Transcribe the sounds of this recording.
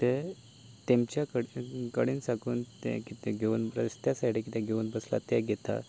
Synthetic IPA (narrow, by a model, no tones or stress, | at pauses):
t̪e | t̪emt͡ɕjakəɽkəɽiːnsakuːnt̪ɛ̰̃kit̪eɡʱeuːnbɾəst̪jasaiʈikit̪ẽɡʱeuːnbəsla̰t̪jɛɡʱet̪a̰